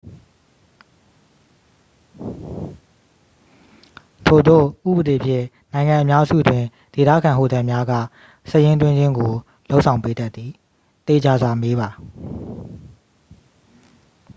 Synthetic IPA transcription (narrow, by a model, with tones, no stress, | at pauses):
tʰo˨d̪o̰˦˨ʔṵ˦˨bəde˨pʰjɪ̰̃˦˨ | nã˨ɪ̃ŋã˨ʔə˨mja˦zṵ˦˨dwɪ̃˨ | d̥e˨t̪a̰˦˨kʰã˨ɦo̰˦˨t̪ã˨mja˦ɡä̰˦˨ | səjɪ̃˦ntwɪ̃˦ɲd͡ʑɪ̃˦ŋɡo˨ | lo˦ʊʔsʰã˨ʊ̃pe˦da˦t̪ːi˨ | t̪e˨d͡ʑa˨zwa˨me˦βa˨